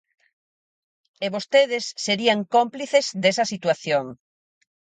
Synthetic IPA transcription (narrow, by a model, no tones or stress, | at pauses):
eβost̪eðesːeɾiaŋkompliθezd̪esɐsit̪waθjoŋ